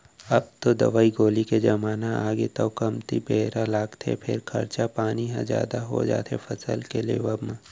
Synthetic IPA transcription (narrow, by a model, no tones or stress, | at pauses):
ɐb̚t̪od̪ɐ̰ʋaːiɡoːliked͡ʒɐmaːnaaːɡet̪aokɐmt̪ibeːɾalaːɡt̪ʰḛpʰɪ̰ɾkʰɐ̰ɾt͡ʃapaːniɦã̰zja̰ːd̪aɦo̰d͡ʒa̰ːt̪ʰḛfʰɐsə̰lkelḛːʋəbmẽ